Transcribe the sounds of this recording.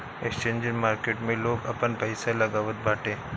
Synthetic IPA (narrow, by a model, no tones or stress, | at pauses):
ekst͡ʃẽːnd͡ʒɪnmaːɾkeːʈmẽloːɡɐpənpɐɪsalɐɡaːʋət̪̚baːʈẽː